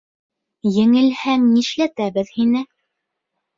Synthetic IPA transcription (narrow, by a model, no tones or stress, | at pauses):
jɘ̆ŋɘ̆lhæŋniʃlæt̪æβɘðhinɘ